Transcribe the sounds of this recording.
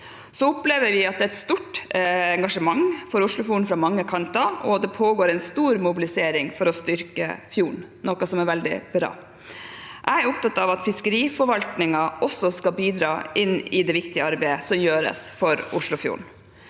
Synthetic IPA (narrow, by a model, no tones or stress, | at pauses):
sɔʊpleːʋəɾʋɪɑt̪̚d̪ɛæt̪st̪uːʈɛŋɡɑʂəmɑŋfɔɾʊʂlʊfjuːɳ̩fɾɑmɑŋːəkʰɑnt̪ɑʔɔd̪ɛpʰoːɡoːɾɛɪnst̪uːɾmʊbɪlɪseːɾɪŋfɔɾɔst̪ʏɾkə̰fjuːɳnɔkɑsɔmɛɾʋɛld̪ɪ̰b̥ɾɑ̰ː | ʔæɪæɾʊp̚t̪ɑt̪ːɑʋɑt̪fɪskəɾiːfɔɾʋɑlt̪nɪŋɑʔɔsɔskɑbiːd̪ɾɑːʔɪnːɪd̪ɛʋɪkt̪ɪəɑɾbæɪəsɔmjøːɾə̰sfɔɾʊʂɭʊfjṵːɳ